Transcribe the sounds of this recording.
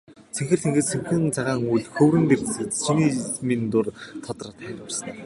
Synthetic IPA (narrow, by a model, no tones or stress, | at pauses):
t͡sʰeŋxʲɘ̆r̥t̪ʰeŋɡɘ̆t͡st͡sʰemxɘ̆nt͡sʰaʁaːŋuɮxɵwɾɘ̆nt̪ert̪sɘ̆t̪ʃiniːmint̪ʊrt̪ʰɔt̪rə̆t̪æɾʊ̆sə̥̆n